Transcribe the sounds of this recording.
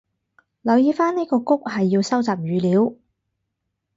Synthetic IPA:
lɐ˨˧wjiː˨˧faː˥nni˥kɔː˧kʊ˥k̚hɐ˨jːi˧wsɐ˥wt͡saː˨p̚jyː˨˧liː˨˥w

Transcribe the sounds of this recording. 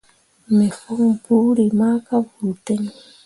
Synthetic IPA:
me˨fo˦ŋpu˦ɾima˦ka˦bu˨t̪e˦ɲ

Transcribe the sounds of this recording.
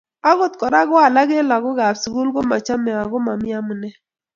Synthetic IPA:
a˦ɣʊ˦t̪kɔ˨ɾa˦ɡʊ˦a˨la˦ɣe˦la˨ɡʊ˦ɡa˨psu˨ɡu˦lɡo˦ma˨t͡ʃa˦mɛ˨a˨ɡʊ˦ma˨mɪ˦a˦mu˨nɛ˦

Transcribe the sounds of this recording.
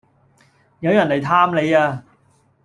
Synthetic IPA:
jɐ˨˧wjɐ˨˩nːɐ˨˩jt̪ʰaː˥mle˨˧jaː˧

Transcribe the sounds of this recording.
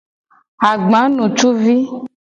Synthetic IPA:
a˨ɡ͡bã˨˦nũ˨t͡ʃu˦vi˦

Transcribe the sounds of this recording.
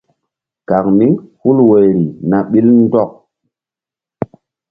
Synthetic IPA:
ka˨k̚mi˦hu˦lwe˨jɾi˨na˨ɓi˦ln˦dɔ˦k̚

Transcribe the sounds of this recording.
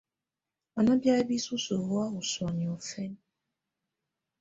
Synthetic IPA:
a˨na˦bja˦e˦bi˦su˦so˨hwa˦u˨swɔ˨ni˨o˨fɛ˦n

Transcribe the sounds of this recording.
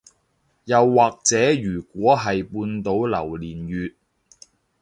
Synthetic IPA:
jɐ˨wːaː˨k̚t͡sɛː˨˥jyː˨˩kʷɔː˨˥ɦɐ˨jpuː˧nt̪o˨˥wlɐ˨˩wliː˨˩njyː˨t̚

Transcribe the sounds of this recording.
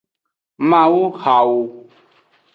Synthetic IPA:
mã˨wu˦ha˨wo˨

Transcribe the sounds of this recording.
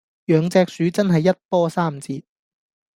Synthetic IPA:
jœː˨˧ŋt͡sɛː˧k̚syː˨˥t͡sɐ˥nɦɐ˨jːɐ˥t̚pɔː˥saː˥˩m̩t͡siː˧t̚

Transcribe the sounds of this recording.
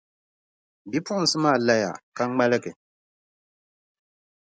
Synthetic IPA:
bi˦pʊ˦ʔʊ˦n̩˨sɨ˦maː˦˨la˦ja̰˨ka˦ŋ˦ɡ͡ba˦lɨ˦ɡɨ˨

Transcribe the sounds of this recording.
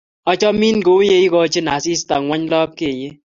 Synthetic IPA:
ɔ˦t͡ʃɔ˦mi˦nko˨˦je˦i˦kɔ˨˦t͡ʃe˦na˨si˦sta˨ŋwa˦ɲ˦lɔ˦p̚ke˦˨ɲe˦

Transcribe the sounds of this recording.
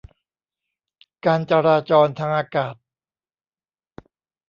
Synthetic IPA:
kaː˧nt͡ɕa˧ɾaː˧t͡ɕɔː˧nt̪ʰaː˧ŋʔaː˧kaː˨˩t̪̚

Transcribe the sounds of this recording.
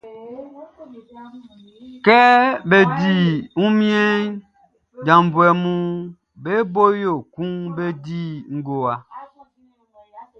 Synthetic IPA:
kɛ˦be˨di˦˨u˦mjɛ˦n | d͡ʒã˨m˨bwɛ˨mu˦ | be˦bo˦jo˦˨ku˦ŋbe˦di˦˨ŋ̩˦ɡo˨a˨

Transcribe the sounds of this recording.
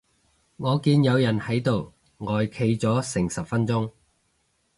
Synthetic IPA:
ŋɔː˨˧kiː˨˧njɐ˨˧wjɐ˨˩nhɐ˨˥jt̪o˨w | ŋɔː˨˧jkʰe˨˧jt͡sɔː˨˥sɪ˨˩ŋsɐ˨p̚fɐ˥nt͡sʊ˥ŋ

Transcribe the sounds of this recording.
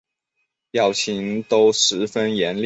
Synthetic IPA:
jɑ˥˩ʊt͡ɕʰi˧˥ŋt̪o˥ʊʂɻ̩˧˥fə˥njɛ˨˧˥nl

